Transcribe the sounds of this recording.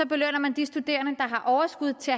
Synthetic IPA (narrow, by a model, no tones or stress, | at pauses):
ɒ̽b̥e̝løn̰ɐmænd̥isd̥ud̥e̝̰ːɐnəd̥ɑ̈ɦɑ̈ʔɒʊɐsɡ̥uð̞ˠt͡sʰe̝æ